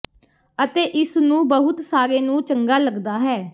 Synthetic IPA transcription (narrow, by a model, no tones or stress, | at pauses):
ət̪eːʔɪsnũːbəɦʊt̪saːɾeːnũːt͡ʃəŋɡaːləɡd̪aːɦɛː